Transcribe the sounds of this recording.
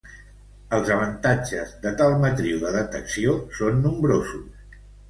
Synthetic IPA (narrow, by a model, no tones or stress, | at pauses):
əlˠzəβ̞ənt̪ad͡ʒəzðət̪alˠmət̪ɾiwðəðət̪əksiosonːumbɾozus